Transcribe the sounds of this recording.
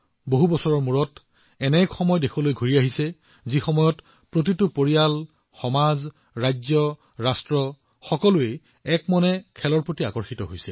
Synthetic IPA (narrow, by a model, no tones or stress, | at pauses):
boɦubɔsɔɹɔɹmuɹɔt | ɛnɛkxɔmɔjɔdekʰɔlojɡʱoɹiaɦisɛ | zixɔmɔjɔt | pɹot̬itʊpoɹijal | xɔmaz | ɹajzjɔ | ɹastɹɔ | xɔkɔlʊe | ɛkmɔnɛkʰɛlɔɹpɹotiakɔɹxitɔɦojsɛ